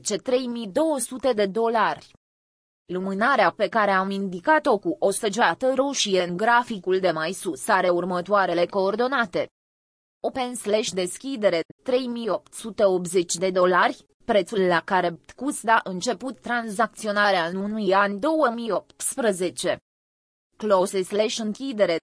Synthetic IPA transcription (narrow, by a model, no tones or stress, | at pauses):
t͡ʃe̞t̪ɾe̞jmid̪o̞wəsut̪e̞d̪e̞d̪o̞larʲ | lumɨnaɾeape̞kaɾe̞amind̪ikat̪o̞kuʔo̞səd͡ʒoat̪əɾoʃijenɡɾafikuld̪e̞majsusaɾe̞urmət̪oaɾe̞le̞ko̞ːrd̪o̞nat̪e̞ | opensleʃd̪e̞skʲid̪e̞ɾe̞t̪ɾe̞jmijo̞p̚t̪sut̪e̞o̞p̪̚ze̞t͡ʃʲd̪e̞d̪o̞larʲ | pɾe̞t̪sulːakaɾe̞t̪kusd̪aʔɨnt͡ʃe̞put̪ːɾanzak̚t̪sio̞naɾeaɨnunujanʲd̪o̞wəmijo̞p̚t̪spɾəze̞t͡ʃe̞ | klosesleʃɨŋkʲid̪e̞ɾe̞